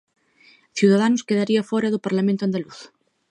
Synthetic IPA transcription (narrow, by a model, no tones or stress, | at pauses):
θjuðað̞anʊskeðaɾiafɔɾaðʊpaɾlamẽnt̪ʊand̪aluθ